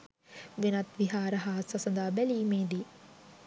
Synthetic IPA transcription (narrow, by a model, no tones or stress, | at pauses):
ʋinɐt̪ʋiɦaːɾɐɦaːsɐsɐnd̪aːbɛliːmeːd̪i